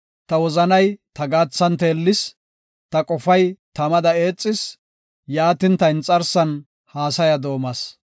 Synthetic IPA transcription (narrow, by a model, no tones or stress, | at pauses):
t̪ɐwɔzɐnɐjt̪ɐɡaːt͡sːɐnt̪e̞ːlːɪs | t̪ɐkʼɔfɐjt̪ɐmɐd̪ɐeːt͡sʼːɪs | jaːt̪ɪnt̪ɐɪnt͡sʼɐɾsɐn | haːsɐjɐd̪o̞ːmɐs